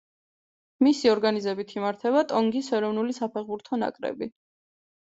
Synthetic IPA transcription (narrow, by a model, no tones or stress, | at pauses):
misiɔɾɡanizɛbit̪ʰimaɾt̪ʰɛβat̪ʼɔŋɡisɛɾɔvnulisapʰɛχbuɾt̪ʰɔna̰kʼɾɛ̰bi